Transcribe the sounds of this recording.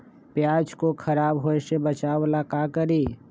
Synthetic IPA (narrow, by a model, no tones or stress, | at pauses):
pjaːd͡ʒkokʰɐɾaːbɦoeʃebət͡ʃaːʋlakaːkəɾiː